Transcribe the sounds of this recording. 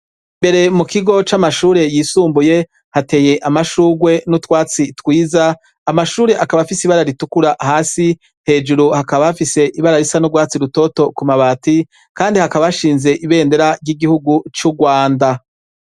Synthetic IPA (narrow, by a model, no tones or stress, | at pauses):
mbe̞ɾe̞mukiɡo̞t͡ʃamaʃuːɾe̞jiːsuːmbuje̞ | hate̞ːje̞ʔamaʃuːɡwe̞nutwaːt͡sitwiːzaː | maʃuːɾe̞ʔakaβafisiβaɾaɾitukuɾahaːsi | he̞ːd͡ʒuɾuhakaβafise̞ʔiβaɾaɾisanuɡwaːt͡siɾuto̞to̞kumaβaːti | kaːndihakaβaaʃiːnze̞ʔiβe̞ːnde̞ɾaɾɟiɡihuɡut͡ʃuɡwaːnda